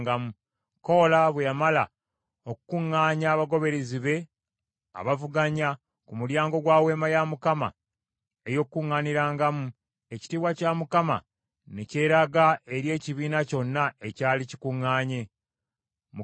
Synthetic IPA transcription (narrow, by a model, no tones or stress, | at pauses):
ɡamu | ko̞ːlaβwejamala | o̞kukuŋːaːɲaːβaɡo̞βe̞ɾeziβe̞ | a̰βavuɡaɲa | kumuljaːŋɡo̞ɡwaːwe̞ːmajamukama̰ | e̞jo̞kkːuŋːaniɾaːŋɡamu | e̞ci̥tiβwacamukama̰ | nece̞ɾaɡae̞ɾje̞ːciβiːnaco̞nːae̞caːlici̥kuŋːaːɲe̞ | m